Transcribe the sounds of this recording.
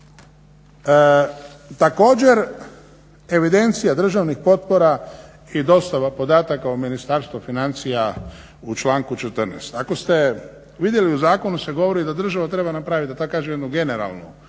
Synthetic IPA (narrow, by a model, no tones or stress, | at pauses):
t̪ako̞ːd͡ʑe̞ɾ | e̞ʋid̪e̞nt̪sijad̪r̩ʒaʋnixpo̞t̪po̞ɾa | id̪o̞st̪aʋapo̞d̪aːt̪akaominist̪aːɾst̪ʋofinant̪sija | ut͡ʃlaːŋkut͡ʃet̪əɾnḛst̪ako̞st̪e̞ | ʋid̪je̞liuzaːko̞nuse̞ɡo̞ʋo̞ɾid̪ad̪r̩ʒaʋat̪ɾe̞banapɾaːʋit̪at̪akaːʒemjd̪nuɡe̞neɾa̰lˠnu